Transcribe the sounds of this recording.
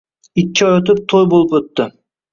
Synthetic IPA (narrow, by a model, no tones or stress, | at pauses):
ɪkʲt͡ʃʰːɒjøt̪ɪp̚t̪ʰojbolˠɪpɵt̪ːɪ